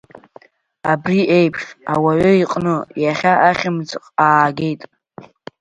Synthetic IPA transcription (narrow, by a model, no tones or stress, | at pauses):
abriʔe̞jpʰʂawaɥʏiqʼnɨjaχʲaʔaχʲɪmd͡zʼqʼaːɡʲe̞jtʼ